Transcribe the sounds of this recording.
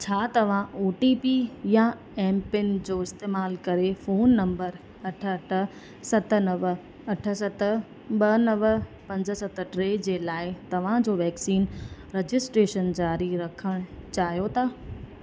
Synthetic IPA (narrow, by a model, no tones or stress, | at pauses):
t͡ɕʰaːt̪ɐʋ̤ãʔoːʈiːpijã | ɛːmpɪnd͡ʑoːɪst̪eːmaːlkɐɾefoːnːɐ̃mbəɾ | ɐʈʰəɐʈʰə̆ | sɐt̪ə̆nɐʋ | ɐʈʰə̆sɐt̪ə̆ | ɓɐnɐʋpɐ̃ɲd͡ʑə̆sɐt̪ə̆ʈɾeːd͡ʑeːlaːɪt̪ɐʋ̤ãd͡ʑoːʋɛːksiːnɾed͡ʑɪsʈɾeːʃənd͡ʑaːɾiɾɐkʰəɽ̃t͡ɕaːɦijot̪ʰaː